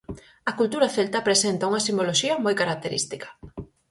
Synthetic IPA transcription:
ɐkult̪uɾɐθelt̪apɾesent̪auŋɐsimboloʃiɐmojkaɾak̚t̪eɾḭst̪ikɐ̥

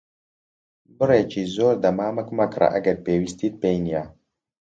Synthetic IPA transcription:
bɨɾet͡ʃizoːɾd̪amaːmɐkumakɾa̰ʔa̰ɡɐd̚peːwist̪id̪̚pejnija

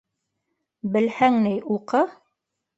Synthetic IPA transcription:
bɘ̆lhæŋnɘjʔuqɤ

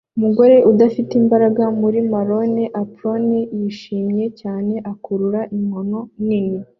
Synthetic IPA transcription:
umuɡo̞ɾe̞ʔudafitimbaɾaɡamuɾimaɾo̞neʔapɾo̞nejiʃiːmje̞caːne̞ʔakuɾuɾaʔimono̞nini

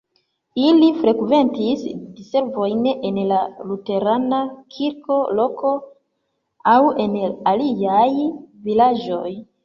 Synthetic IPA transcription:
ilifɾe̞kve̞ntisdise̞ɾvo̞jnenlalute̞ɾanakʰiɾko̞lo̞ko̞ | awe̞naliajvilad͡ʒo̞j

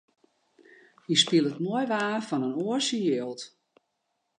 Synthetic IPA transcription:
ispilˠətmoəjʋaːfɔnənoəsəjøːlˠt

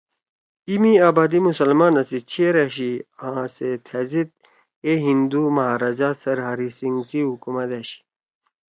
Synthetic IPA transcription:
imiaːbaːd̪imusɐlmaːnɐsit͡ɕʰeɾeɕiãset̪ʰɐzit̪̚ | eɦind̪umɐɦaːɾɐd͡ʑaːsɐɾɦɐɾisiŋɡsiɦukumɐt̪eɕi̥

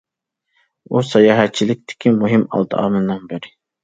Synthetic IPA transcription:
usɑjɑːɦɛt̪̚t͡ʃʰilɪk̚ʲt̪ʰɪ̥kʲʰimuɦimɑ̰lˠd̪ɨɑ̰ːmɨnːɑnbɪɾɪ

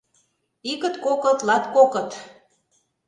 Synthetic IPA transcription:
ikə̆t̪kokɤ̆t̪lɑt̪kokɤ̆t̪

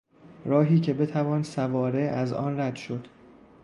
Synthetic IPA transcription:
ɾɒːɦiːcʰe̞be̞t̪ʰævɒːnsævɒːɾe̞æzɒ̰ːnræd̪ʃo̞d̪̥

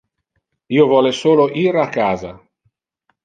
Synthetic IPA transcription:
iːovɔːlesoːloʔiːɾaaːkːaːza

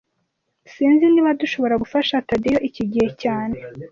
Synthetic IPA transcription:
siːnziniβaduʃo̞βo̞ɾaɡufaʃatadijoʔiciɟihe̞caːne̞

